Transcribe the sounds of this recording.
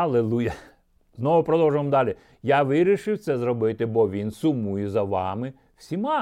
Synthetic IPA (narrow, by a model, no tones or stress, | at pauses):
ɐlˠelˠujɐ | znɔʋʊpɾɔd̪ɔwʒʊmmd̪ɑlʲi | jɑʋɪɾʲiʃɪwt̪sɛzrɔbɪt̪ɪbɔʋʲinsʊmujɛzɐʋɑ̰mɪ | wsʲimɑ